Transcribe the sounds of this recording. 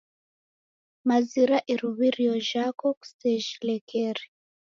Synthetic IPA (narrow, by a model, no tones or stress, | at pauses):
maziɾaʔiɾuβiɾiɔʒakɔku̥sɛʒilɛkʰɛɾi